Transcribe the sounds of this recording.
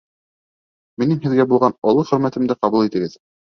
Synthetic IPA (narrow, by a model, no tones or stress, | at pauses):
minɘmɦɘ̆ðɡæbulˠʁɑnŏlˠɤχɵ̆ɾmæt̪ɘ̆md̪ɘqɑβulˠit̪ɘ̆ɡɘð